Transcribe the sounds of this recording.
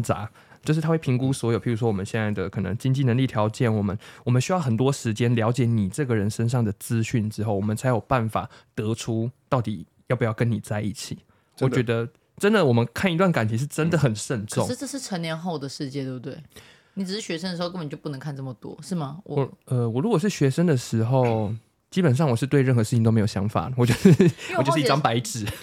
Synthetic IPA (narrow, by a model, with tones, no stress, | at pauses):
t͡sa̰˨˧˦ | t͡ɕjo˥˧ʊʂɻ̩ʰ˥˩a˥wpʰi˧˥ŋku˦swɔ˧˥jo˨˩ʊpʰi˨˩ɻu˧˥ʂɔ˥wɔ˨mə˦nɕjɛ˥˧na˥˩ɪd̪ə˩kʰɤ˨˩nə̰˧˦ŋt͡ɕi˥ŋnt͡ɕi˥˩nə˧˦ŋli˥˩t̪ʰjɑ˧˥ʊt͡ɕjɛ˨˩nwɔ˨˩mə̰˦nwɔ˨˩mə˦nɕy˥jɑ˥˩ʊxə˨˩nt̪wɔ˥ʂɻ̩˧˥t͡ɕjɛ˥nljɑ˧˥ʊt͡ɕjɛ˨˩˦ni˨˩ʈ͡ʂɤ˥˩ɡə˩ɻə˧˦nʂə˥nʂ̬ɑ˥˩ŋd̪ə˩t͡sɹ̩˥ɕy˥˩nʈ͡ʂɻ̩˥xo˥˩ʊwɔ˨˩mə˨˦nt͡sʰa˧˥ɪjo˨˩ʊpa˥˩nfa̰˨˩t̪ɤ˧˥ʈ͡ʂʰu˦t̪ɑ˥˩ʊt̪i˨˩ | jpu˧˥jɑ˥˩kə˦nːi˨˩t͡sa˥˧ɪi˥˩t͡ɕʰḭ˨˩ | wɔ˨˩t͡ɕɥɛ˧˥d̪ə˧ | ʈ͡ʂə˦nd̪ə˨wɔ˨˩mə˦nkʰa˥˩ni˧t̪̬wa˥˩nka˨˩ntʰi˧˦˥ʂ̬ɻ̩˥˩ʈ͡ʂə˦˥nd̪ə˨xə˨˩nʂə˥˧nʈ͡ʂʰŋʂʈ͡ʂɤ˥˧ʂɻ̩˥˩ʈ͡ʂʰə˧˦nljɛ˧˥nxo˥˩ʊd̪ə˩ʂɻ̩˥˧t͡ɕjɛ˥˧t̪we˥˩bu˩t̪we˥˩ɪ | ni˨˩t͡s̩˨˩ʂɻ̩˥˩ɕɥɛ˧˥ʂə˥nd̪ə˩˧˥ə˨˩˨jpu˥˩n˧˦ŋkʰa˥˧nʈ͡ʂə˥˩mə˨˩t̪wɔ̰˥ʂɻ̩˥˩mɐ˩wwə˧wɔ˨˩ɻu˧˥kwɔ˨˩ʂɻ̩˥˩ɕɥɛ˧˥ʂə˥nd̪ə˨ʂɻ̩˧˥xo˥˨˩ʊʊ | t͡ɕi˦˥pə˨nʂ̬ɑ˥˩ŋwɔ˨˩ʂɻ̩˥˧t̪we˥ɪɻə˥˩nxɤ˧ʂɻ̩ʰ˥˩i˨t̪o˥˧m˧˥jo˨˩ɕjɑ˧˥ŋfa̰˨˩wɔ˨˩t͡ɕjɔ˥˧ʊʂɻ̩˥˩˥t͡ɕjʂ̩˥˧i˥ʈ͡ʂɑ˥ŋpa˧˥ɪʈ͡ʂɻ̩˨˩˦